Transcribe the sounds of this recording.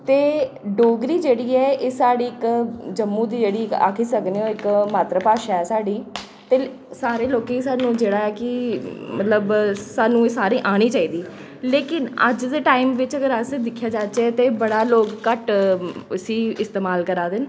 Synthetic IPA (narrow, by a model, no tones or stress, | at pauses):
t̪eː | ɖoːɡɾiːd͡ʒeːɽiːɛːeːsaːɽiːɪkd͡ʒəmːũːd̪iːd͡ʒeːɽiːɪka̰ːkʰiːsəkneoːɪkmaːt̪ɾəpaːʃaɛːsaːɖiː | t̪eː | saːɾeːloːkeisaːnũːd͡ʒeːɽaːɛːkɪmət̪ləbsaːnũːeːsaːɾiːʔaːɽ̃iːt͡ʃaːiːd̪iː | leːkɪnə̰d͡ʒd̪eːʈaːɪmʋɪt͡ʃəɡəɾəsd̪ɪkʰːjaːd͡ʒaːt͡ʃeːt̪eːbəɽaːloːkːəʈəsiːɪst̪eːmaːlkəɾaːd̪ɪn